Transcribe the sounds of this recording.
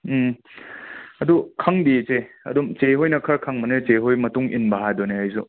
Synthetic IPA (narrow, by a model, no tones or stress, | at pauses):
m̩ | ɐdukʰaŋbit͡ʃeɐ̰dumt͡ʃeɦojnɐkʰɐɾkʰaŋmɐnet͡ʃeɦojmɐtuŋḭnbaɦajdɔneɦajzu